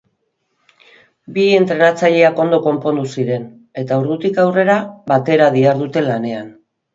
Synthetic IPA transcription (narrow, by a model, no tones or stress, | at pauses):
bie̞nt̪ɾe̞nat͡saʎe̞ako̞nd̪o̞ko̞mpo̞nd̪usiɾe̞n | e̞t̪auɾðut̪ikawre̞ɾaβat̪e̞ɾaðiaɾðut̪e̞lane̞an